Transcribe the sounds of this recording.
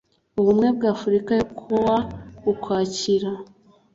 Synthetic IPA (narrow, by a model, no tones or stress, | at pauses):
uβumŋe̞b̚ɡaːfuɾikajekʰoβaukwaːciɾa